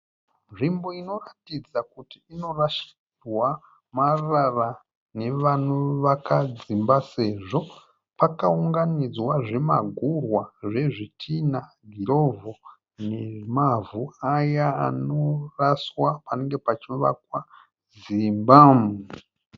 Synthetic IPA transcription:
nʐimbo̞ino̞ratid͡zakutiːno̞raʃi̥ | dwa | marara | ne̞ʋanuʋakad͡zimbase̞ʐo̞ | pakauŋɡanid͡zwaʐe̞ma̰ɡʱurwaʐe̞ʐitʰina | ɡʱiɾo̞vo | nemavuajaa̰noraswapaneŋɡe̞pat͡ʃiʋa̰kwa | zimbame

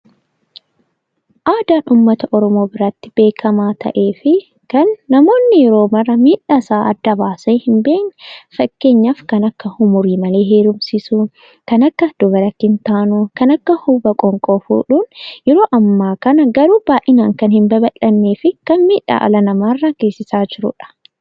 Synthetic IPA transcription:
ʔaːd̪aːnʔuːmːɐt̪ɐʔɔɾɔmo̞ːbɪɾɐt̪ːɪ̥b̥e̞ːkʰɐmaːt̪ʰɐ̰ʔe̞ːfɪ | kɐnːɐmo̞ːnːɪjɛɾoːmɐrːɐmiːᶑːasaːʔɐd̪ːɐbaːsɐjhɪmbe̞ːknɛfɐkːe̞ːɲːɐfkɐnɐkːɐhʊmʊɾiːmɐle̞ːɦeːɾʊmsɪsu | kɐnɐkːɐd̪̥ɔbɐɾɐt̪ːɪnt̪aːnukɐnɐkːɐhubɐkʼɔŋkʼɔfṵːᶑuːnjɛɾoːʔɐmːaːkɐnɐɡɐɾuːbaːʔɪnaːŋkɐnhɪmbɐbɐlːɐnːeːfɪkɐnmiːᶑa̰ːʔɐ̰lɐnɐmaːrːɐɡ̥e̞ːsɪsaːd͡ʒɪɾʊ̰ᶑɐ̥

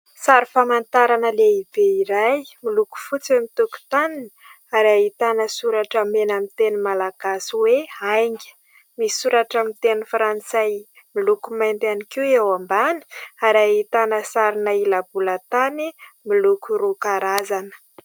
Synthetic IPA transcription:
saɾifamant̪aɾanəleib̥eiɾajmiluku̥fut͡siwemit̪uku̥t̪aninə̥ | aɾait̪anəsuɾaʈ͡ʂəmenamit̪enimalaɡ̥asiweajŋɡʲi̥ | misuɾaʈ͡ʂamit̪enifɾant͡saj | milukumajnd̪anikiewambani̥aɾait̪anəsaɾinəilabulət̪animilukuɾukaɾazanə̥

